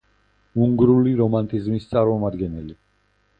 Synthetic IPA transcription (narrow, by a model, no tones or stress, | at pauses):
uŋɡɾuliɾɔmant̪ʼizmist̪sʼaɾmɔmad̪ɡɛnɛli